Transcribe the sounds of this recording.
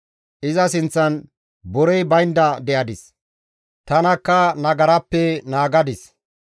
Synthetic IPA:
ʔɪzɐsɪnt͡sːɐn | bɔɾɛjbɐjnd̪ɐd̪ɛʔɐd̪ɪs | t̪ɐnɐkːɐnɐɡɐɾɐpːɛnaːɡɐd̪ɪs

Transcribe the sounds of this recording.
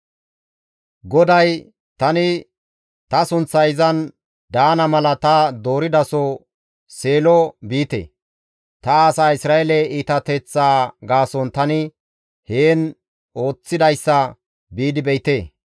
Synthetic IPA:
ɡɔd̪ɐj | t̪ɐnɪ | t̪ɐsʊnt͡sːɐjɪzɐn | d̪aːnɐmɐlɐt̪ɐd̪o̞ːɾɪd̪ɐsɔ | se̞ːlɔbiːt̪ḛː | t̪ɐaːsaːɪsɾaːelɛiːt̪ɐt̪ɛt͡sːaːɡaːsɔnt̪ɐnɪ | heːn | o̞ːt͡sːɪd̪ɐjsːɐ | biːd̪ɪbɛjɪt̪e̞ː

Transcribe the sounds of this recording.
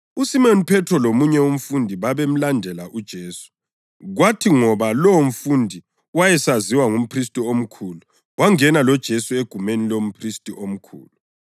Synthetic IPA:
usimɔnipʰɛtʰɔlomuɲɛum̩fundʱiβaβem̩landʱɛlaʔud̥ʒ̥ʱeːsu̥ | ɣwatʰiŋɔβalom̩fundʱi | wajɛsaziwaŋum̩pʰris̬tʼiom̩kʰulu | waŋɛnalɔd̥ʒ̥ʱesueɡ̥ʱumenilom̩pʰristʼiʔom̩kʰṵːlu

